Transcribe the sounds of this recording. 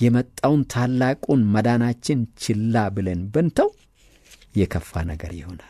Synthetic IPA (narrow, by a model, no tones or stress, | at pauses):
jɛmət̪ʼːawnt̪ʰalːakʼunməd̪anat͡ʃːɪnt͡ʃʰɪlːabɨlənbɨnt̪ʰəw | jɛkʰəfːa̰nəɡəɾjɪho̞nal